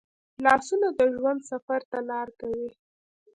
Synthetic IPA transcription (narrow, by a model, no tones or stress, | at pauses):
lɑsunod̪əʒwand̪safaɾt̪alɑɾkawi